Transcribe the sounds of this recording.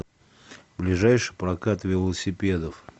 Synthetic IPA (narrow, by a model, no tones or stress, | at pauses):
blʲɪʐajʂɨjpɾɐkat̪vʲɪlˠəsʲɪpʲe̞d̪əf